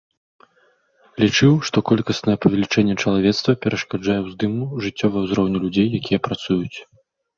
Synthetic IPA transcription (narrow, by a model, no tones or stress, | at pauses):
lʲit͡ʂɨwʂt̪ɔkɔlʲkɐsnɐjɛpɐvʲɛlʲit͡ʂɛnʲːɛt͡ʂɐlˠavʲɛt̪st̪vɐpʲɛɾɐʂkad͡ʐajɛwzd̪ɨmuʐɨt͡sʲːɔvɐjɐwzɾɔwnʲulʲud͡zʲejːakʲijɛpɾat̪sujut͡sʲ